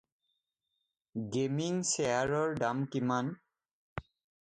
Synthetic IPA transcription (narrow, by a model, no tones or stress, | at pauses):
ɡemiŋseaɹɔɹdamkiman